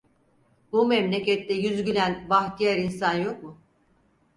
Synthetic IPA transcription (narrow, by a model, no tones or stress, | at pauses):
bumɛmlʲecɛt̪ːɛjyzɟylʲænvaxt̪ʰijaɾinsanjo̞k̚mʊ